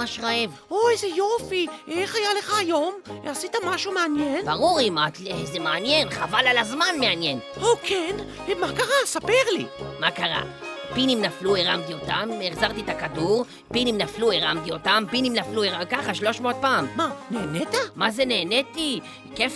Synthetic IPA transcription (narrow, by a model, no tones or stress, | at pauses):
aʃʁaevoezejofieχajaleχaːjo̞masit̪amaʃumeanjenbaʁuʁimat̪lzemeanje̞nχavalalazmanmeanjen | okʰen | makaʁasapeʁlḭmakaʁa̰ | pinimnaflueʁamt̪io̞t̪ameχzaʁt̪it̪akaduʁ | pinimnaflueʁamt̪io̞tampinimnaflueʁakaχaʃlo̞ʃmoot̪̚paːmmaneːnet̪amazeneːnet̪i | kef